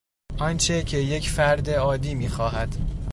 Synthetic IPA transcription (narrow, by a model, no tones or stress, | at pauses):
ʔɒnt͡ʃʰe̞cʰe̞je̞cʰfæɾd̪e̞ɒːd̪iːmiːxɒːɦæd̪̥